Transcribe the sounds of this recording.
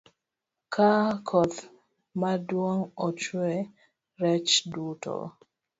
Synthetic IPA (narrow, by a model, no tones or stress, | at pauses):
kʰakʰɔt̪ | madwoŋɔt͡ʃwɛ | ɾɛt͡ʃdutʰɔ̰